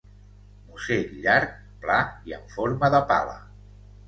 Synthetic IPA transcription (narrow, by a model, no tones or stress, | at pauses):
museʎaɾk̚ | plaiə̰ɱfoɾməðəpa̰lə̰